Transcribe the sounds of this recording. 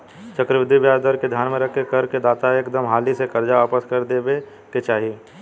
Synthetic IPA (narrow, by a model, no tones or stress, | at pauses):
t͡ʃɐkɾəʋɪd̪ʱːibjaːd̪əɾked̪ʱjaːnmẽɾɐkʰːekɐɾked̪aːt̪aeːkd̪əmɦaːlisekɐɾd͡ʒaʋaːpəskɐɾd̪eːbe | ket͡ʃaːɦii